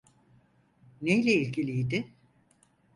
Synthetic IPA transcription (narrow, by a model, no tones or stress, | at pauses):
nejlʲɛilʲɟʰilʲijd̪ɪ